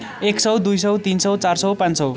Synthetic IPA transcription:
eksʌwd̪ujsʌwt̪insʌwt͡sarsʌwpãnsʌw

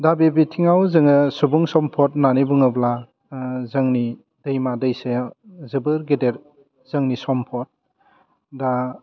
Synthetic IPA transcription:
dabebitʰiŋawzɯŋɯsubuŋsɔmpʰɔt̚nanibuŋɯbla | zɯŋni | dɯjmadɯjsezɯbɯɾɡedeɾ | z̥ɯŋnisɔmpʰɔt̚ | da

